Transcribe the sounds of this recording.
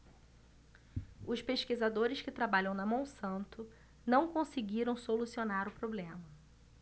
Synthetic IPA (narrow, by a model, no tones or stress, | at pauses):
ʊʃpeʃkizad̪oɾɪskɪt̪ɾabaʎɐ̃w̃nɐmɐ̃w̃sɐ̃nt̪ʊ | nɐ̃w̃kõsɪɡiɾɐ̃w̃solusionaɾʊpɾoblẽmɐ